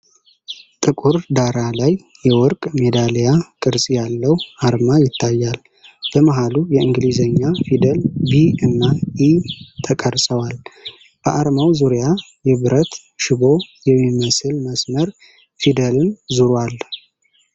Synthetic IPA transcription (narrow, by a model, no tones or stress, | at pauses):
t̪ʼɨkʼuɾd̪aɾalaj | jɛwɔɾkʼmed̪alejakʼɨɾsʼijalːəwʔaɾmajɪt̪ʰːajːal | b̥əmaɦalujɛɨŋɡlizəɲːafid̪əlbiɨnːaʔit̪ʰəkʼəɾsʼəwal | b̥əʔaɾmawzuɾija | jɛβɨɾət̪ | ʃɪbo̞jɛmːiməsɨlməsməɾ | fid̪əlɨnzuɾwal